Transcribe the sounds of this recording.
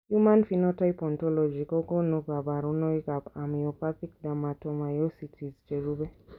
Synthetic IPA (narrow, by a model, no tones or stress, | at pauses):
humanfinɔtajpɔntɔlɔd͡ʒikɔkɔnuɡabaɾunɔikabamiɔpaθik̚damatɔmajɔsitʰizd͡ʒɛɾubɛ